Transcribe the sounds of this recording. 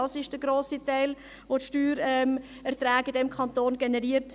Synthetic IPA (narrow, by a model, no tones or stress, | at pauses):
ɑsɪʃd̥əɡɾoːsitæɪl | ʋotʃtyːɾɛm | ɛɾtɾɛːɡɪdɛmkʰɑntoːnɡɛnɛɾiːəɾt